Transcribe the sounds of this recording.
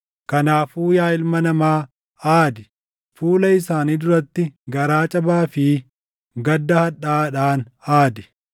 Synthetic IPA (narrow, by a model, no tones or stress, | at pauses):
kɐnaːfuːjaːɪlmɐnɐmaː | aːd̪ɛ̥ | fuːlɐɪsaːniːd̪ʊɾɐt̪ːɪɡɐɾaːt͡ʃʼɐbaːfɪ | ɡɐd̪ːɐhɐᶑaːᶑaːnaːd̪ɛ̥